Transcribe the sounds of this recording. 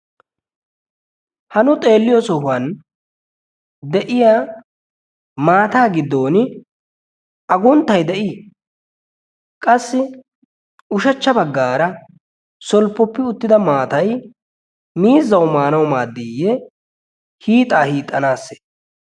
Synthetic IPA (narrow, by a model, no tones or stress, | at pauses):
hɐnʊt̪ʼe̞ːlːɪjɔsɔɦʊɐn | d̪ɛʔɪjaː | maːt̪aːɡɪd̪ːoːnɪ | ɐɡʊnt̪ːɐjd̪ɛʔiː | kʼɐsːɪ | ʊʃɐt͡ʃːɐbɐɡːaːɾɐ | sɔlpːɔpːɪʊt̪ːɪd̪ɐmaːt̪ɐj | miːzːɐwmaːnɐwmaːd̪ːɪjɛ | hiːt̪ʼaːhiːt̪ʼːɐnaːsːe̥